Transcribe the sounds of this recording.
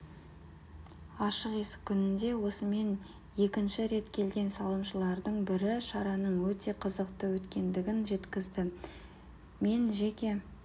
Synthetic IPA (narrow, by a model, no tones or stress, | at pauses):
ɑʃəqesɪ̥ʏnɪnd̪e̞wo̞səme̞n | je̞kʲɪnʃɪɾe̞t̪kʲʰe̞lɡʲe̞nsɑlˠəmʃəlˠɑɾd̪əɴbɪɾɪʃɑɾɑnəɴwɵt̪e̞qʰəzəqt̪əwɵt̪kʲe̞nd̪ɪɡʲɪnʒe̞t̪kʲɪzd̪ɪ | me̞nʒekʲe̞